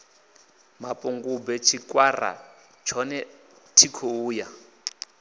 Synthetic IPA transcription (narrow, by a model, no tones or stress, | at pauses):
mapʼuŋɡubɛt͡ʃʰikʼwara̰ | t͡ʃʰɔnɛ | tʰikʰouːja